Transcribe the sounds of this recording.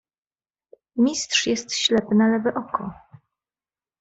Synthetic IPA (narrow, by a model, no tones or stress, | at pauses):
mʲist̪ʂjɛst̪ɕlɛpɘnalɛvɘʔɔkɔ